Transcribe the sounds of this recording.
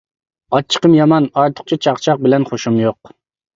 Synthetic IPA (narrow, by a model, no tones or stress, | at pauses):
ɑt͡ʃʰːə̥qʰəmjɑmɑnɑɾt̪ʰʊ̥χ̚t͡ʃʰit͡ʃʰɑχt͡ʃʰɑq̚bɪlɛnχoʃumjoq̚